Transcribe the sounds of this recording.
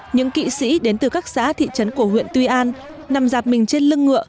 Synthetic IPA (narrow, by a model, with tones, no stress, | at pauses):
ɲɨ̰˧˥ŋkḭ˧˨sḭ˧˥ɗe˨˦nt̪ɨ˨˩kaː˦˥k̚za̰ː˧˥t̪ʰḭ˧˨t͡ɕə˨˦nku˧˩əɦwḭ˧˨ənt̪wi˧ʔaː˧nː | a˨˩mzaː˨˩p̚mï˨˩ŋ̟t͡ɕe˧nlɨ˧əŋːɨ̰˧˨ə